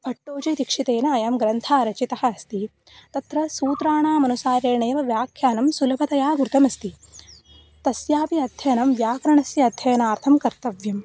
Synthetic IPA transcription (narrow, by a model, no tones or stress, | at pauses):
pʰɐʈːoːt͡ʃɐjd̪ikʂit̪eːnɐːjaːmɡɾɐnt̪ʰaːɾɐt͡ʃit̪ɐhɐːst̪i | t̪ɐt̪ɾɐsuːt̪ɾaːɳaːmɐnusaːɾeːɳɐjɐʋɐʋjaːkʰjaːnɐmsulɐpʰɐt̪ɐjaːɡɾut̪ɐmɐst̪i | t̪ɐsjaːpiɐd̪ʱjɐjɐnɐmʋjaːkɐɾɐɳɐsjɐɐd̪ʱjɐjɐnaːɾt̪ʰɐmkɐɾt̪ɐʋjɐm